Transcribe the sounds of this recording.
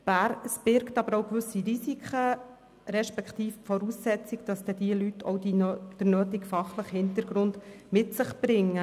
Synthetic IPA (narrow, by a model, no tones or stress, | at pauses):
b̥æɾsb̥ɪɾktɑbəɾɔʊkʋʏsiɾisikχə | ɾɛʃpɛkχtiːfpfɔɾusːɛt͡sikd̥ɑsd̥̪ɛd̥iəlytʰɔ̰wdid̥əɾnøːtikfɑχləχhɪntəɾɡɾʊnd̥mɪtsəχb̥ɾɪŋːə